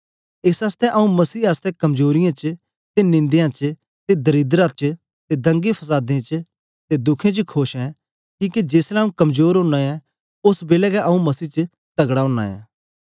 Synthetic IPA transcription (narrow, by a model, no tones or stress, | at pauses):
ɪsaːst̪ɛʔɐũmɐsiːaːst̪ɛkɐmzoːɾɪjãt͡ʃ | t̪enɪ̃nd̪jãt͡ʃ | t̪ed̪ɐɾiːd̪ɾãt͡ʃ | t̪ed̪ɐ̃ŋɡepʰɐs̬aːd̪ẽt͡ʃ | t̪ed̪ʊkʰẽt͡ʃkʰoːʃɛ̃ | kĩːked͡ʒeːslɛũkɐmzoːɾɦõːnaɛ̃ | ʊsbeːlɛkɛʔɐũmɐsiːt͡ʃə | t̪ɐɡɽaõːnːa̰ːjɛ̰̃ː